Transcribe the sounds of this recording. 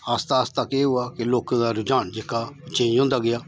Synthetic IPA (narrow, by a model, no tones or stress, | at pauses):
aːst̪aːst̪əkeːɦʊaːkɪloːkãːd̪aːɾʊd͡ʒaːnd͡ʒeːkaːt͡ʃẽːõːnd̪aːɡɪjaː